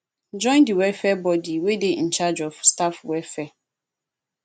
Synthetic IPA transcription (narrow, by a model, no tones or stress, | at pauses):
d͡ʒɔ̃ɪ̃ndiwɛfɛbɔdiweden̩t͡ʃad͡ʒɔfstafwɛfɛ